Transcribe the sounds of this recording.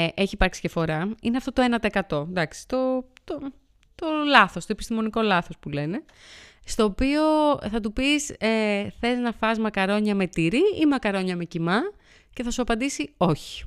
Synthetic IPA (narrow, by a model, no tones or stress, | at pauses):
ʔeçipɐɾksi̥ce̞fo̞ɾɐineɐft̪o̞t̪oe̞nɐt̪ekɐt̪o̞d̪ɐksi̥t̪ot̪o | t̪olɐθo̞st̪oepist̪imo̞niko̞lɐθo̞spule̞ne̞ | st̪o̞ːpio̞θɐt̪̬upiseθe̞znɐfɐzmɐkɐɾo̞ɲɐme̞t̪iɾiimɐkɐɾo̞ɲɐme̞cimɐ | ce̞θɐsuɐpɐnd̪isio̞çi̥